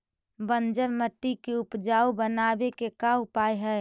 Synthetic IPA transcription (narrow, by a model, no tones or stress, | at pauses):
bənd͡ʒəɾməʈːikeʊpd͡ʒaːubənabekekaʊpaeɦɛ